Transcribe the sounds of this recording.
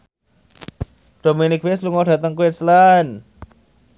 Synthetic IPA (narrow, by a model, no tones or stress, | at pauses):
ɖ̥o̤minɪk̚wesluŋɔɖ̥ä̤t̪əŋkuɪslan